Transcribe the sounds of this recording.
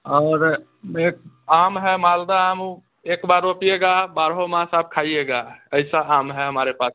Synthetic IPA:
ɔːɾ | eːk̚ | aːmɦɛmaːld̪aaːm | eːkbaːɾoːpijeɡabaːɾɦomãːsaːb̚kʰaːieɡaːəɪsaaːmɦɛɦəmaːɾepaːs

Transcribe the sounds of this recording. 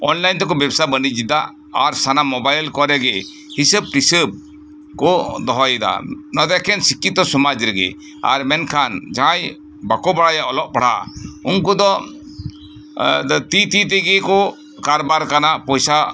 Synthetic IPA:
ɔnlajnt̪ɔkɔbɛbsabənid͡ʒid̪aʔ | aɾsanamɔbajlkɔɾɛɡɛ | hisəb̚ʈisəb̚ | kɔd̪ɔɦɔjɛd̪a̰nɔd̪ɛkʰɛnsikːit̪ɔsɔmad͡ʒɾɛɡɛ̰ | a̰ɾmɛnkʰand͡ʒaɦãj | bakɔbaɽajaʔɔlɔʔ̚paɽa̰unkɔd̪ɔ | t̪it̪it̪̬ɛɡɛkɔ | kaɾbaɾkanaʔpɔjsa

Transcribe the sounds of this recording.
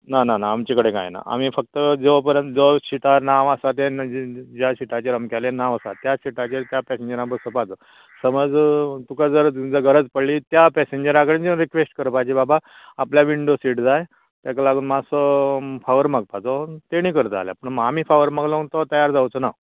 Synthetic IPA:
nananaːmt͡ɕikəɽeka̰jḛna̰a̰miːfək̚t̪əd͡zeʋpəɾə̃nd͡zoɕiʈanaʋasat̪ed͡ʑjaɕiʈʰat͡ɕeɾəmkɛlenaʋasa̰t̪jaɕiʈʰat͡ɕet̪japɛseɲd͡ʑəɾãmp̬əɾsəpat͡sɔ | səməd͡zt̪ukad͡zəɾd͡zəɡʱəɾəd͡zpəɽliːt̪japɛseɲd͡ʑəɾãkəɽend͡zẽɾikʋesʈkəɾpajt͡ɕibabaː | pljaʋiɳɖosiːʈd͡zaj | t̪jakalaɡuːnmasɔfaʋəɾməɡ̚pat͡sɔt̪eɽ̃iːkəɾt̪a̰lja̰pəɳmamiːfaʋəɾməɡlənt̪ɔt̪əjaɾd͡zawt͡səna

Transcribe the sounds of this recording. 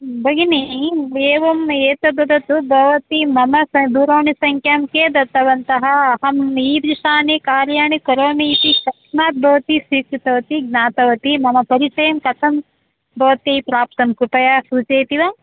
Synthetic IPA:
bʱɐɡinieːʋɐmeːt̪ɐbʱɐd̪ʱɐt̪ubʱɐʋɐt̪imɐmɐsɐd̪uːɾoːɳisɐŋkʰjaːmkeːd̪ɐt̪ɐʋɐnt̪ɐɦɐ̆ːɦɐmiːb̪ɾiʂaːnikaːɾjaːɳikɐɾɐmiːt̪iʃɐkʂmaːt̪̚bʱɐʋɐt̪isiːkɾit̪ɐʋɐt̪iɡ̚naːt̪ɐʋɐt̪imɐmɐpɐɾit͡ʃɐjɐmkɐt̪ʰɐm | bʱɐʋɐt̪ipɾaːp̚t̪ɐmkɾupɐjaːsuːt͡ʃeːt̪iʋaː

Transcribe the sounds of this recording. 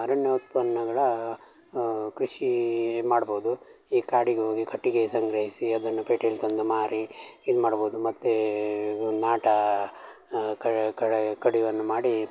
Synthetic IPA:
ɐɾɐnjɐut̪̚pɐnːɐɡɐɭɐ | kɾiʂimaːɽboːd̪uiːkaːɽiɡeɦoːɡikʰɐʈːiɡe̞sɐŋɡɾɐɦisiɐd̪ɐnːupeːʈelt̪ond̪umaːɾiid̪umaːɽboːd̪umɐt̪ːe | naːʈɐ | kɐkɐɽkɐɽiʋɐnːumaːɽi

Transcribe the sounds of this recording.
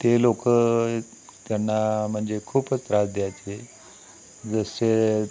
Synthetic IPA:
t̪elokə | t̪janːam̤əɳd͡zekʰuːpət͡st̪ɾad͡zd̪jajt͡ɕe | d͡zəse

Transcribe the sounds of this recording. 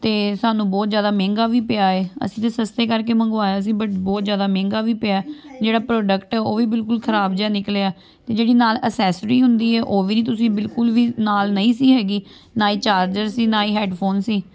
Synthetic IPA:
t̪eːsaːnũːbɔːt̪zjaːd̪aːmɛ̃ːŋɡaːʋiːpɪaːeːə̰sĩːt̪eːsəst̪eːkəɾk̬eːmə̃ŋɡʋaːjaːs̬ĩːbəʈbɔːt̪zjaːd̪aːmɛ̃ːŋɡaːʋiːpɪaːd͡ʒeːɽaːpɾɔːɖəkʈɛːoːʋiːbɪlkʊlkʰəɾaːbd͡ʒaːnɪkleaː | t̪eːd͡ʒeːɽiːnaːləsɛːsɾiːɦʊ̃nd̪iːɦɛːʔoːʋiːniːt̪ʊsĩːbɪlkʊlʋiːnaːlnəĩːsiːɦɛːɡiː | naːiːt͡ʃaːɾd͡ʒəɾsiːnaːiːɦɛːɖpʰoːnsiː

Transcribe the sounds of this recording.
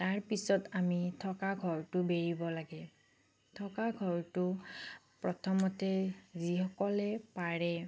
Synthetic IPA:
taɹpisɔtamitʰɔkaɡʱɔɹtʊbeɹibɔlaɡɛ | tʰɔkaɡʱɔɹtʊ | pɹɔtʰɔmɔtɛzihɔkɔlɛpaɹɛ

